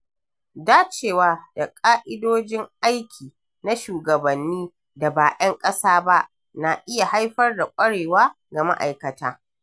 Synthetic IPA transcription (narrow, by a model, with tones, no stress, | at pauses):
daː˦t͡ʃeː˨waː˦da˨kʼaː˦ʔɪ˦doː˦d͡ʒɪ˦ŋʔa˦jkʲʰiː˨ | na˦ʃuː˨ɡɐ˨bɐ˨nːiː˦ | da˨baː˨ʔɛ˦ŋkʼɐ˦saː˦ba˦ʔ | na˨ʔɪ˦ja˨ha˦jɸɐ˦rda˨kʷʼɐ˦ɽeː˨waː˦ | ɡa˨ma̰˦ʔa̰˨jkɐ˨taː˦